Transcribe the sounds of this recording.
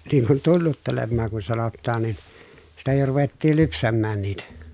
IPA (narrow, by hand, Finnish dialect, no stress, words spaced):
niːŋ kun tunːutːelemːɑːŋ kun sɑnotːɑːn nin sitæ jo ruʋetːiːl lypsæmːæːn niːtæ